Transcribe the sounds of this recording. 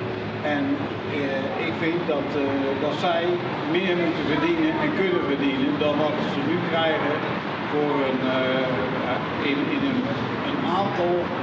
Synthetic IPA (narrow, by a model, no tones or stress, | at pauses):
ɛn | ɪkfɪnkdɔtdɔtsɛj | mɪːɹmutəbədinəɛnkønəvədinəndɔnʋɔtsənykrɛjɣə | foːrən | a | ɪnɪnən | ənaːntɔlˠ